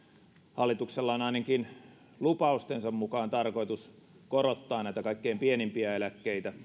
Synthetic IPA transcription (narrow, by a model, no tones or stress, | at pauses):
hɑlːit̪ukselːɑonɑinɑkin | lupɑust̪ensɑmmukɑːnt̪ɑrko̞it̪us | koɾot̪ːɑːnæˑit̪ækɑikːeːmpienimpiæelækːeit̪æ